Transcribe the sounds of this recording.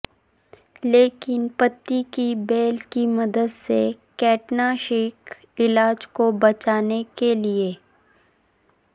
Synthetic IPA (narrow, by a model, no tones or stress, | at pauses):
leːkɪnpɐt̪ːikibeːlkimɐd̪əd̪sekɛːʈnaʃeːk | ɪlaːd͡ʒkobɐt͡ʃaːnekelie